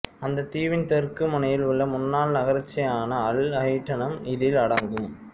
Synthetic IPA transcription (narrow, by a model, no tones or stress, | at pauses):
ɐnd̪ɐt̪iːʋɪnt̪ɛrkɯmɐnɐjɪlʊɭːɐmʊnːaːlnɐɣɐɾɪt͡ʃːɐjaːnɐɐɭɐɪʈːɐnɐmɪðɪlɐɽɐŋɡɯm